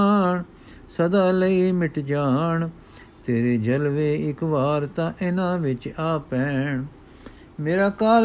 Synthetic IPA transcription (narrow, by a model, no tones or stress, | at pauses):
ɳ | səd̪aːləiːmɪʈd͡ʒaːɳ | t̪eːɾeːd͡ʒəlʋeːɪkʋaːɾt̪ãːʔɪnãːʋɪt͡ʃaːpɛːɳ | meːɾaːkaːl